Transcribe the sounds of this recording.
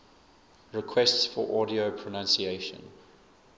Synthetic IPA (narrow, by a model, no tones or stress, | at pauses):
ɹɪkʰwɛstsfɔ̰ʔɔɾiopʰɹənãnsieɪʃə̰̃n